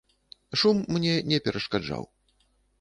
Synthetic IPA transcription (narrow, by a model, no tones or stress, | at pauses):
ʂumːnʲɛnʲɛpʲɛɾʔɐʂkad͡ʐa̰w